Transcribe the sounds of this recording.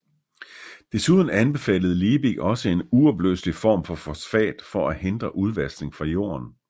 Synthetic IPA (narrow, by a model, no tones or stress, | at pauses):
d̥e̝suð̞ˠn̩ænb̥e̝fɛ̰ːləð̩ˠliːbiɡ̥ɒ̽səe̝nuɒb̥lø̰slifɒ̰ːmfɒ̽fɒsfɛ̰ːd̥fɒ̽ʔæhe̝nd̥ʁɐʔuð̞ˠʋæsne̝ŋfʁɑ̈jo̝̰ːɐn